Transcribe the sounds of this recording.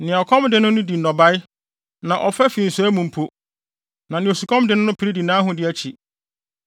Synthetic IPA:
nɪ̃˨ɔ˨kʰɔ̃˦mdɪ˦nʊ̃˦nʊ̃˦di˨nɔ˨ba˦j | nã˨ʔɔ˨fɛ˦fĩ˨n̩˨su˨˦æ˦mũ˨m̩˨pʰo˦ | nã˨nɪ̃˨o˨su˨kʰɔ̃˦mdɪ˦nʊ̃˦nʊ̃˦pʰi˨ɾi˦di˨nãː˦ɦʊ̃˦dɪ˦æ˦t͡ɕʰi˨

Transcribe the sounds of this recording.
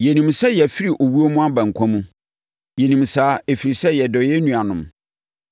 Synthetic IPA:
jɛ˨nĩ˨msɛ˦jɛ˨fi˦ɾi˨ʔo˨wu˦o˦mũ˦a˦bã˨ŋ̩˨kʰã˦mũ˦ | jɛ˨nĩ˨msaː˨˦e˨fi˨ɾi˨sɛ˦jɛ˨dɔ˨jɛ˦nũ˨a˨nʊ̃˨m

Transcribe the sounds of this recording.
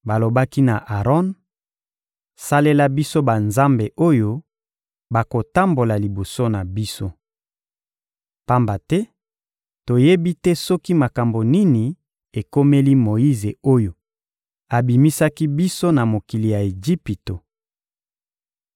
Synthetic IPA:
ba˨lo˨ba˦ki˦na˨ʔa˨ʁɔ˦n | sa˦le˦la˦bi˦so˦ba˨nza˦mbe˨ʔo˦jo˦ | ba˨ko˨ta˦mbo˨la˨li˨bo˨so˦na˨bi˦so˦ | pa˦mba˨tɛ˦ | to˨je˦bi˦tɛ˦sɔ˦ki˦ma˨ka˨mbo˨ni˦ni˨ | e˨ko˦me˦li˦mo˨i˦ze˨o˦jo˨ | a˨bi˨mi˦sa˦ki˦bi˦so˦na˨mo˨ki˨li˨ja˨e˨d͡ʒi˦pi˨to˨

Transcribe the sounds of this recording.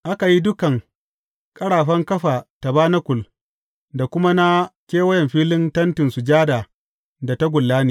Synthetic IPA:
ʔa˦ka˨ji˦dʊ˦kɐ˨ŋ | kʼɐ˦ɽaː˨ɸɐ˦ŋkɐ˦ɸaː˨ta˨baː˦na˦kʷʊ˨l | da˨kʷʊ˦ma˦na˦kʲeː˦wɐ˦jɛ˨mɸiː˦lɪ˦ntɐ˦ntɪ˨nsu˨d͡ʒaː˦daː˨ | da˨ta˦ɡʷʊ˨lːaː˦niː˨

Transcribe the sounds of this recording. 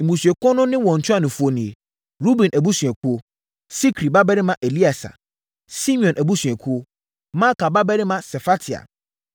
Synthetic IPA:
m̩˨bũ˨sɥɛ˨kɔ˦nʊ̃˦nɪ̃˦wɔ̃˨n̩˨tʰʊ˦a˦˨nʊ̃˨fu˨˦o˨nĩ˨e˨ | ɾu˦bɛ̃˨nʔæ˨bu˦sɥ̃ɛ˨kʰu˦o˦ | si˦kʰɾi˨ba˦bɛ˦ɾɪ˦mã˦ʔe˨li˦a˨sa̰˨ | si˦mĩ˨ɔ̃˨nʔæ˨bu˦sɥ̃ɛ˨kʰu˦o˦ | mã˦ka˨ba˦bɛ˦ɾɪ˦mã˦sɛ˨fa˦tʰi˨a̰˨

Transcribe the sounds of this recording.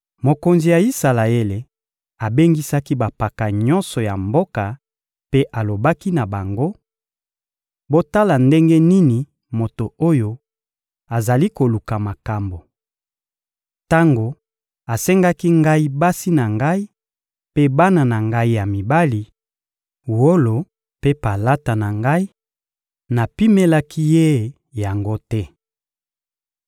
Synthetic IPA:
mo˨ko˨nzi˨ja˨i˦sa˨la˨e˦le˨ | a˨be˦ŋɡi˦sa˦ki˦ba˨pa˨ka˨ɲɔ˦nsɔ˨ja˨mbo˦ka˨ | pe˦ʔa˨lo˨ba˦ki˦na˨ba˨ŋɡo˦ | bo˦ta˦la˨nde˦ŋɡe˦ni˦ni˨ | mo˨to˨o˦jo˦ | a˨za˨li˦ko˨lu˨ka˨ma˨ka˨mbo˨ | ta˦ŋɡo˨ | a˨sɛ˦ŋɡa˦ki˦ŋɡa˦i˦ba˦si˦na˨ŋɡa˦i˦ | pe˦ba˦na˨na˨ŋɡa˦i˦ja˨mi˨ba˦li˨ | wo˦lo˨ | pe˦pa˨la˦ta˨na˨ŋɡa˦i˦ | na˨pi˦me˦la˦kʰi˦je˦˨ | ja˨ŋɡo˦tɛ˦

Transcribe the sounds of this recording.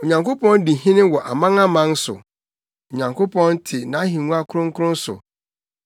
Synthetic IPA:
o˨ɲã˨ŋko˦pɔ̃˦n˦di˨ɦĩ˦nɪ̃˦wɔ˨ʔa˨mã˦ŋã˦mã˦n̩˦sʊ̰˨ | o˨ɲã˨ŋkʰo˦pʰɔ̃˦n˦tʰɪ˨nã˨˦ɦĩ˨ŋũ˦a˦kʰʊ˦ɾʊ̃˦ŋ̩˦kʰʊ˦ɾʊ̃˦n̩˦sʊ̰˨

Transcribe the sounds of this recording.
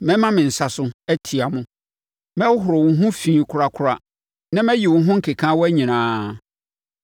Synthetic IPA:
mɛ̃˦mã˦mɪ̃˨n̩˨sa˨sʊ˦æ˦tʰi˨a˨mʊ̃˦ | mɛ̃˦wɦʊ˨ɾo˨wʊ̃˨ɦʊ̃˦fĩː˨kʰʊ˨ɾa˨kʰʊ˨ɾa˦ | nã˦mɛ̃˦ji˨wʊ̃˨˦ɦʊ̃˦ŋ̩˦kʰe˨kʰã˦wɔ˦æ˦ɲĩ˨nãː˨˦

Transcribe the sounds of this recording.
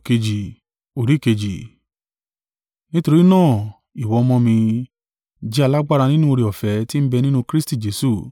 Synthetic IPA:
ke˧d͡ʒi˨ | o˨ɾi˨˦˨ke˧d͡ʒi˨ | nĩ˦to˧ɾi˦nãː˦˨ | i˨wɔ˨˧mɔ̃˧mĩ˧ | d͡ʒi˦a˧la˦ɡ͡ba˦˨ɾa˧nĩ˦nũ˦o˧ɾi˧ɔ˨fɛ˨˦ti˦m̩˦bɛ˧nĩ˦nũ˧kɾi˦sti˦˨d͡ʒe˨˦su˦˨

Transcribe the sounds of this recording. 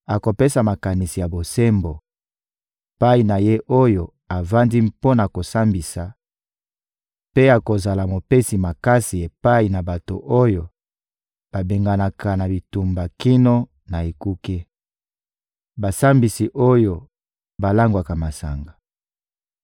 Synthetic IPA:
a˨ko˨pe˦sa˨ma˨ka˨ni˨si˨ja˨bo˨se˦mbo˨ | e˨pa˦i˨na˨je˦ʔo˦jo˨ | a˨va˦ndi˦mpo˦na˨ko˨sa˦mbi˨sa˨ | pe˦a˨ko˨za˨la˨mo˨pe˦si˨ma˨ka˦si˨e˨pa˦i˨na˨ba˨to̰˨ʔo˦jo˨ | b̥a˨be˨ŋɡa˨na˨ka˨na˨bi˨tu˨mba˨ki˦no˦ | na˨e˨ku˦ke˦ | ba˨sa˦mbi˨si˨ʔo˦jo˨ | ba˨la˦ŋɡwa˨ka˨ma˨sa̰˨ŋɡa˨

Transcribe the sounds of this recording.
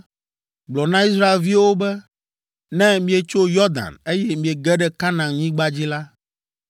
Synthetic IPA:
ɡ͡blɔ˨nã˦i˦sɾa˦e˨lvi˦wo˦bɛ˦ | nɛ̃˦mĩ˦e˨t͡ʃo˦jɔ˦d̪ã̰˨ne˦jɛ˦mĩ˨e˨ɡɛ˦ɖɛ˦ka˦nã˨ŋɲĩ˦ɡ͡ba˦d͡ʑi˦la˦

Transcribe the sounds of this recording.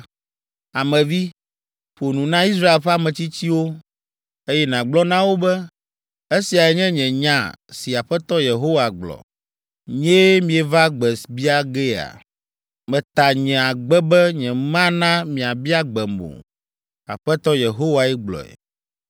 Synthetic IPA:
a˨mɛ̃˨vi˦ | ɸo˨nũ˨nã˦i˦s̬ɾa˦e˨lɸɛ˦a˦mɛ̃˨t͡ɕi˦t͡ɕi˦wo˦ | e˦jɛ˦nã˨ɡ͡blɔ˦nã˦wo˦bɛ˦ | e˦si˨a˨ɛ˨ɲɛ̃˦ɲɛ̃˨ɲã˦˨si˨a˨ɸɛ˦t̪ɔ˦je˨ɦo˦wa˨ɡ͡blɔ̰˨ | ɲɛ̃˦mĩ˨ɛ˨va˦ɡ͡bɛ˨sbi˦a˦ɡɛ˦a̰˨ | mɛ̃˨t̪a˨ɲɛ̃˨a˨ɡ͡bɛ˦bɛ˦ɲɛ̃˨mã˦nã˦mĩ˨a˨bi˦a˦ɡ͡bɛ˨mõ̰˨ | a̰˨ɸɛ˦t̪ɔ˦je˨ɦo˦wa˨ɛ˦ɡ͡blɔ̰˨ɛ̰˨

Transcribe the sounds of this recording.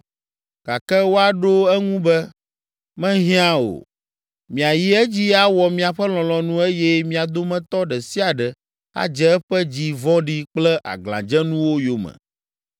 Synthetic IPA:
ka̰˨kɛ˦wo˦a˨ɖo˦ɛ˦ŋũ˦bɛ˦ | mɛ̃˦ɦĩ˦ã˦o̰˨ | mĩ˨a˨ji˦ɛ˦d͡ʑi˦a˦wɔ˨mĩ˦a˨ɸɛ˦l̃ɔ̃˨lɔ̃˨nũ˦e˦jɛ˦mĩ˦a˨d̪o˦mɛ̃˦t̪ɔ˦ɖɛ˨si˦a˨ɖɛ˨ | a̰˦d͡ʒɛ˦ɛ˦ɸɛ˦d͡ʑi˦vɔ̃˦ɖi˦k͡plɛ˦ʔa̰˨ɡlã̰˨d͡ʒɛ˦nũ˦wo˦jo˨mɛ̰̃˨

